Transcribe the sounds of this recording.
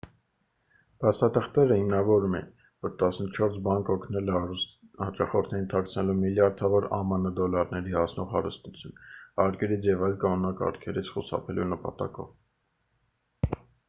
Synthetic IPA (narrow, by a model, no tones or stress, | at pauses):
pʰɑst̪ɑt̪ʰəχt̪ɛɾəhimnɑvɔɾumɛin | vɔɾt̪ɑsnət͡ʃʰɔɾsbɑŋkɔkʰnɛl | hɑt͡ʃɑχɔɾt̪ʰnɛjint̪ʰɑk̚t͡sʰnɛlumiljɑɾd̪ʰɑvɔɾɑ̰mənəd̪ɔlɑɾnɛɾihɑsnɔʁhɑ̰ɾəst̪ut͡sʰjunɑɾkɛɾit͡sʰjɛvɑjlkɑnunɑkɑ̰ɾkʰɛɾit͡sʰχusɑ̰pʰɛlunəpɑ̰t̪ɑ̰kɔ̰v